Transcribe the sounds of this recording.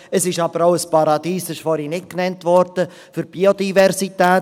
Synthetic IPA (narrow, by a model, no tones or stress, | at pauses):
əsɪʃɑb̥əɾawəspɑɾɑd̥̪iːsɪʃfɔɾinɪt̚knɛntʋɔɾd̥ə | fʏɾb̥iod̥ivɛɾsitɛː